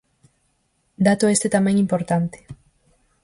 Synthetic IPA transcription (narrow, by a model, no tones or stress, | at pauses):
d̪at̪oe̞st̪et̪amenimpo̞ɾt̪ant̪e̥